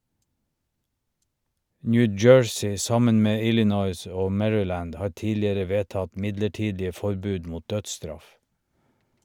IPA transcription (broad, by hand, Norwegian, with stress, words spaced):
ˈnjʉ ˈd͡ʒøːɹsɪ ˈsɑmən ˈmeː ˈɪlɪnɔʏs ˈoː ˈmɛɹʏˌlæːnd ˈhɑːɾ ˈtiːlɪəɾə ˈʋeːˌtɑt ˈmɪdləˌʈiːdɪə ˈfɔɾˌbʉːd ˈmuːt ˈdœdˌstɾɑf